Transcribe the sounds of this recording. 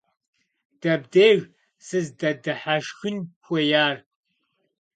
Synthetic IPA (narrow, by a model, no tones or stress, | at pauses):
d̥ɐbdeːɣ | sɨzdɐdɨħaʃxɨnxʷɐjaːr